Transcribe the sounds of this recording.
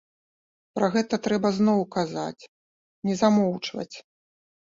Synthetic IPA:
pɾɐɣɛt̪ɐt̪ɾɛbɐznɔwkaza̰t͡sʲ | nʲɛzamɔwt͡ʂvɐ̰t͡sʲ

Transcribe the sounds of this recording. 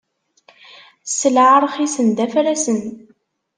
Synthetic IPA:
səlʕaɾˤχisənd̪æfɾæsən

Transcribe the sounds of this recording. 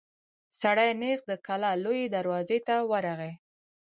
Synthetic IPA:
saɽajneɣd̪əkalɑlojed̪aɾwɑzet̪awəɾaɣe

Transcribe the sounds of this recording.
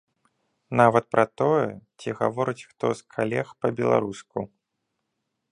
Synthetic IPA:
navɐt̪̚pɾʔɐt̪ɔjɛt͡sʲiɣa̰vɔɾɨt͡sʲxt̪ɔskʰalʲɛxpɐbʲɛlˠa̰ɾusku

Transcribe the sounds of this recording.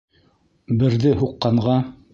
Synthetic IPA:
bɘ̆ɾðɘɦuqːɑɴʁɑ

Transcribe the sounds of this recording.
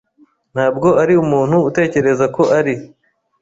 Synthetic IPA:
n̥haːb̚ɡo̞aɾiumuːn̥huːte̞ːce̞ɾe̞zako̞ʔaɾi

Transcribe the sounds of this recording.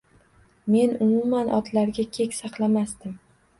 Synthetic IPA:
me̞nʊmumanɒt̪laɾɡʲakʲʰe̞kʲsɑqlˠamasd̪ɪm

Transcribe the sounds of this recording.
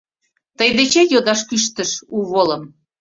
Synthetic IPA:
t̪əjd̪et͡ɕejod̪ɑʃkyʃt̪ə̆ʃuβolə̆m

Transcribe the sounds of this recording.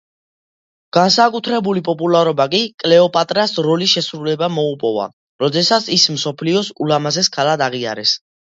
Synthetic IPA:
ɡ̥ansakʼut̪ʰɾɛbulipʼɔpʼulaɾɔbakʼikʼlɛɔpʼat̪ʼɾasɾɔlisʃɛsɾulɛbamɔupʼɔva̰ | ɾɔd̪ɛsat̪sʰismsɔpʰliɔsulamazɛskʰalad̪aʁia̰ɾɛs

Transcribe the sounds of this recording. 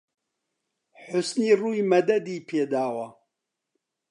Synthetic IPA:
ħʊsniːruːjmɐd̪ɐd̪iːpʰeːd̪aːwɐ

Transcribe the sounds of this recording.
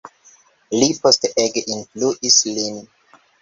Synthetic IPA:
lipʰɔstɛɡĩnbluʔislĩn

